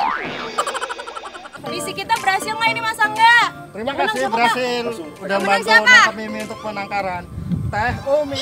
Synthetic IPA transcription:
disikit̪abəɾasɪlŋainimasaŋɡa | t̪əɾimakassɪbəɾɦasɪl | udambant̪aunaamimiunt̪ʊk̚pənaŋkaɾant̪aɛɦomi

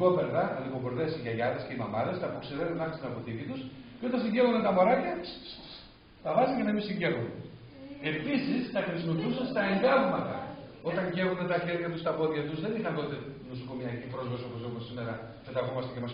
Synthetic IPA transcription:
opeɾðɐliɣoɣoɾðesiʝɐʝɐðesce̞imɐmɐðest̪ɐpokseɾenunɐxst̪inɐpot̪it̪it̪usceo̞t̪ɐnsiɲɟe̞vond̪et̪ɐmo̞ɾɐcɐ | t̪ɐvɐzincɐnɐmisiɲɟe̞vone | e̞pisist̪ɐxɾisimo̞piusɐnst̪ɐenɡ̪ɐvmɐt̪ɐ̰o̞t̪ɐɲɟe̞vond̪et̪ɐçe̞ɾʝɐt̪ust̪ɐpo̞ðʝɐt̪uzðenixɐnt̪o̞t̪e̞nusoko̞miɐcipɾo̞zvɐsioposio̞posime̞ɾɐfet̪ɐɣomɐst̪ecemɐs

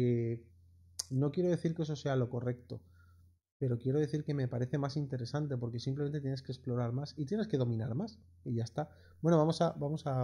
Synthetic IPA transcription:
e | no̞kje̞ɾo̞ðe̞θiɾkeso̞se̞alo̞ko̞re̞kt̪o̞̰ | pe̞ɾo̞kjeɾo̞ð̞e̞θiɾke̞me̞paɾe̞θe̞masint̪e̞ɾe̞sant̪e̞po̞ɾke̞simpleme̞nt̪et̪jeneskesplo̞ɾaɾmasit̪je̞neske̞ðo̞mĩnaɾmas | iʝaest̪a | bwe̞no̞βamo̞sabamo̞sa

